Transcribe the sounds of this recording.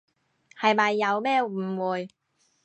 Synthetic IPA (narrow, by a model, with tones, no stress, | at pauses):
hɐ˨jmɐ˨jːɐ˨˧wmɛː˥m̩ː˨˩wuː˨j